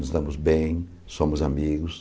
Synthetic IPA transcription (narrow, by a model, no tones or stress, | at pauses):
nʊzd̪ɐ̃mʊzbẽj̃ | sõmʊzamiɡʊs